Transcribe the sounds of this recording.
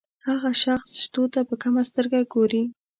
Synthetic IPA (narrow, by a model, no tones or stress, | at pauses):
haɣaʃaxsʃt̪ot̪apəkamast̪əɾɡaɡoɾi